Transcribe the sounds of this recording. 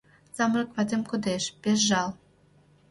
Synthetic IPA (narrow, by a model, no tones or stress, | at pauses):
sɑmrɤ̆kvɑd̪ʲimkud̪eʃpʲeʃ̬ʒɑlˠ